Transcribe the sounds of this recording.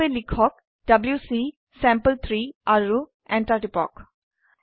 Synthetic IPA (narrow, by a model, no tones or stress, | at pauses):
elikʰɔk̚ | dɐbljusi | sɛmpəlt̪ʰɹiaɹu | ɛntaʈipɔ̰k